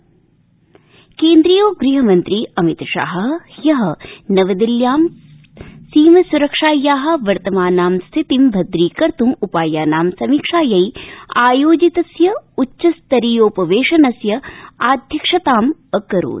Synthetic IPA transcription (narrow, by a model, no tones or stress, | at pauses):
keːnd̪ɾijoːɡɾiːɦɐmɐnt̪ɾiːɐmit̪ʃa̰ːɦɐ̆jɐɦɐ̆nɐʋɐd̪iljaːm | siːmɐsuɾɐkʂaːjːaːɦɐ̆ʋɐɾt̪ɐmaːnaːmst̪ʰit̪imbʱɐd̪ɾiːkɐɾt̪umupaːjaːnaːmsɐmiːkʂaːjɐjaːjoːd͡ʒit̪ɐsjɐuʃɐst̪ɐɾiːjoːpɐʋeːʂɐnɐsjɐaːd̪ʱjɐkʂɐt̪aːmɐkɐɾṵːt̪